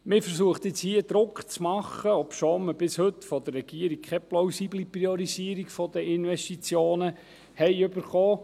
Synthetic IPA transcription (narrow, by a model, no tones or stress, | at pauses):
mɪfəɾsuəχt̪ɪt͡shiəd̪̥ɾʊkχt͡smɑχːəɔpʃoːməb̥ɪshɵt̪ːfɔd̥̪ərːɛɡ̥iəɾik̚kχɛplowsiblipɾiɔɾisiəɾikfɔd̥̪əɪnʋɛstit͡sjoːnə | hɛɪɵbəɾχoː